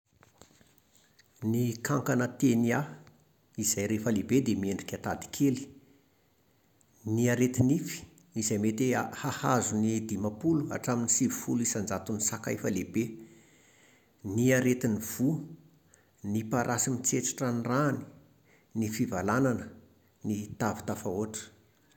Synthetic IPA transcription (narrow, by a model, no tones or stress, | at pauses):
nikʰaŋkanət̪enia | izajɾefəlebed̪emieɳɖ͡ʐikʲat̪ad̪i̥kʰeli̥ | niaɾet̪inifi̥ | izajmet̪ehahazunid̪imapulua̰ʈ͡ʂaminisivufulisand͡zat̪unisakajfəlebe | niaɾet̪iniv̥u | nipaɾʔasimit͡seʈ͡ʂḁʈ͡ʂanirani̥ | nifivalananə | nit̪avi̥t̪afaoʈ͡ʂə̥